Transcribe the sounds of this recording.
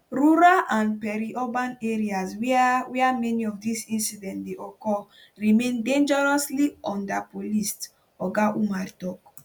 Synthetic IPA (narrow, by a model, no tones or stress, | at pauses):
ɾuɾalʔãndpɛɾiʔɔbãneɹiaswɛwiamɛniɔfdisĩnsidɛ̃ntdeʔɔkɔ | ɹimẽndẽnd͡ʒɛɹɔsliɔ̃ndapolist | ɔɡaʔumaɾtɔk